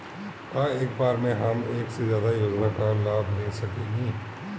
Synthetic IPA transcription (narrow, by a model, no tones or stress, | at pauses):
aːeːkbaːɾmẽɦɐmeːksezjaːd̪ajoːd͡ʒnakalaːbʱnẽsɐkẽːɡiː